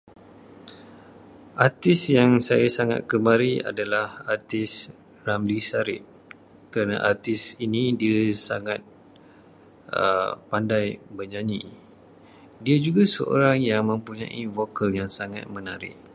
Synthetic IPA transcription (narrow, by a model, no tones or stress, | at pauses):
ʔart̪ɪsjaŋsajasaŋa̰t̪̚kəmaɾia̰dalahart̪ɪs | ramlisaɾɪ̰t̚ | kəɾanã̰ʔart̪ɪsinĩdiasaŋat̪̚ | ə̰pandajbərd͡ʒaɲi | diad͡ʒuɡasə̰ʔo̰ɾaŋjaŋmə̃mpuɲã̰ʔivokəljaŋsaŋa̰t̪̚mə̃naɾɪ̰ʔ